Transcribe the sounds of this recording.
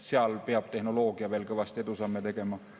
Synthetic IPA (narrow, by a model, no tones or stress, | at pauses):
seɑlpeɑb̥̚t̪ehnoloːɡ̥iɑʋelkoʋɑst̪et̪usɑmːet̪ekɡemɑː